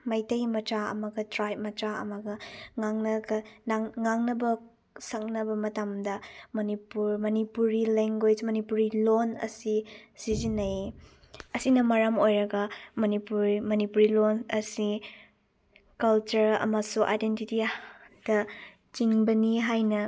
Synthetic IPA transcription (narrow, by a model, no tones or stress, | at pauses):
mɐjtɐjmɐt͡ʃaɐ̰mɐɡɐtɾajt̚mɐt͡ʃaɐ̰mɐɡɐŋaŋnɐɡɐnaŋŋaŋnɐbɐ | sɐk̚nɐbɐmɐtamdɐmɐnipuɾmɐnipuɾileŋɡejd͡ʒmɐnipuɾilonɐ̰sisizinːɐj | ɐsinɐmɐɾɐmojɾɐɡɐmɐnipuɾmɐnipuɾilonɐsi | kɐlt͡ʃuɾɐ̰mɐsuʔa̰jdentitid̥ɐ | t͡ʃiŋbɐniɦajnɐ